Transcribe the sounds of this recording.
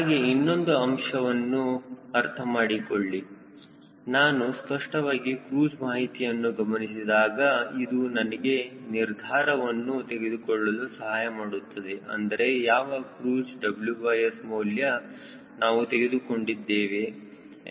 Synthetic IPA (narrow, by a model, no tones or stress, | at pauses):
ɦaːɡeinːo̞nd̪uɐmʂɐʋɐnːuɐɾt̪ʰɐmaːɽikoɭːi | naːnuspɐʂʈɐʋaːɡikɾuːd͡ʒmaːɦit̪ijɐnːuɡɐmɐnis̬id̪aːɡɐid̪unɐnɐɡe̞niɾd̪ʱaːɾɐʋɐnːut̪e̞ɡe̞d̪ukɔɭːɐlusɐɦaːjɐmaːɽut̪ːɐd̪eʔɐ̰nd̪ɐɾe̞jaːʋɐkɾuːd͡ʒɖɐbljuʋɐjesmuːljɐ | naːʋut̪e̞ɡe̞d̪uko̞ɳɖid̪ːeːʋe̞